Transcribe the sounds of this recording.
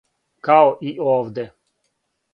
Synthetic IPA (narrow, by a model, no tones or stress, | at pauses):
kaɔʔiɔːvd̪ɛ